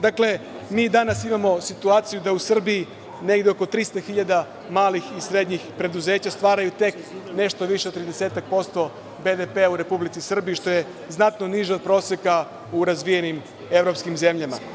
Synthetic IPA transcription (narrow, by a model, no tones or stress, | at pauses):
d̪akle̞ | miːd̪anasimamo̞sit̪uaːt̪sijud̪ausr̩biji | ne̞ɡd̪eo̞ko̞t̪ɾist̪axiʎad̪a | maːlixisɾe̞d̪ɲixpɾe̞d̪uze̞ːt͡ɕast̪ʋaːɾajut̪e̞k | ne̞ʃt̪oʋiʃeot̪ːɾid̪e̞se̞ːt̪ak̚po̞st̪o̞ | be̞d̪epe̞auɾe̞publit̪sisr̩biiʃt̪o̞je̞ | znat̪noniʒeod̪̚pɾo̞ːsjeka | uɾazʋije̞nim | e̞ʋɾo̞pskimze̞mʎama̰